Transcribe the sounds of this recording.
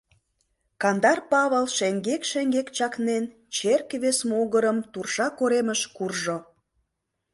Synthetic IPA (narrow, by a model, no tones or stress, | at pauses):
kɑnd̪ɑrpɑβəlˠʃeŋɡekʃeŋɡekt͡ɕɑknen | t͡ɕerkβesmoɣəɾəmt̪urʃɑkoɾeməʃkurʒo